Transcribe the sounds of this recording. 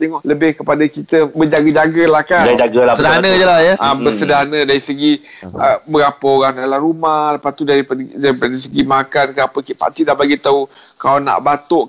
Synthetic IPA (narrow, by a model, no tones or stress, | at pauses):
t̪ɛŋɔʔləbɪhkəpadakit̪əbəd͡ʒaɡəd͡ʒaɡəlahkad͡ʒaɡəlasədaɦnəd͡ʒəlajaabəsədaɦanədaɾisəɡi | əbəɾapəoɾaŋdalahɾumahləpast̪udaɾipadaɾiaɾisəɡimakankəapəkipa̰t̪idahbaɡit̪aukalana̰ʔbat̪ʊʔ